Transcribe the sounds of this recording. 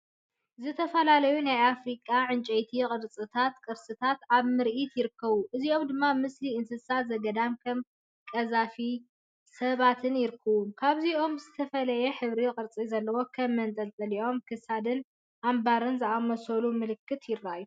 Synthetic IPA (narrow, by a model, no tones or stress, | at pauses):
zɨt̪ʰɐfɐlalɐjunajafɾikʼːaʕɨnt͡ʃʼɐjt̪ʰikʼɨɾt͡sʼɨt̪ʰat̪kʼɨɾsɨt̪ʰat̪aβmɨɾʔit̪jɪɾɨkʰːɐβuʔɨzio̞md̪ɨmːamɨsliɨnsɨsazɐɡɐd̪amkʰɐm | kʼɐzafi | sɐβat̪ʰɨnjɪɾɨkʰːɐβumkʰaβziʔo̞mzɨt̪ʰɐfɐlɐjɛħɨβɾiqʼɨɾt͡sʼizɐlːɐwo̞kʰɐmːɐnt̪ʼɐlt̪ʼɐliʔo̞mkʰɨsad̪ɨn | ʔambaɾɨnzɨʔamɐsɐlumɨlɨkːɨt̪ʰjɪrːaju